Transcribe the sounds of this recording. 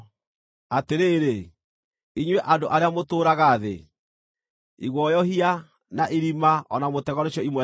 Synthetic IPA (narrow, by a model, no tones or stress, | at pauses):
ateɾeːɾe | iɲwɛʔandoʔaɾeamotoːɾaɣaðḛ | iɣwɔjɔɦia | naʔiɾimaɔnamotɛɣɔneɕɔimwɛ